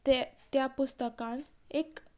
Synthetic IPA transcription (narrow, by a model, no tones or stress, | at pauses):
t̪japust̪əkãn | ek